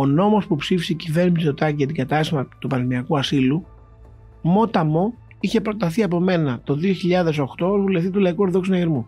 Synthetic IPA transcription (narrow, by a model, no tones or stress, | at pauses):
o̞no̞mo̞spupsifiseicive̞ɾnisit̪o̞t̪ɐciʝɐt̪iŋɡɐt̪ɐst̪imɐt̪upɐɾimiɐkuɐsilu | mo̞t̪ɐmo̞ | içe̞pɾo̞t̪ɐθiɐpo̞me̞nɐt̪o̞ðio̞çiʎɐðe̞so̞xt̪o̞ozvuleft̪it̪ulɐikuɾðoksinɐʝeɾmu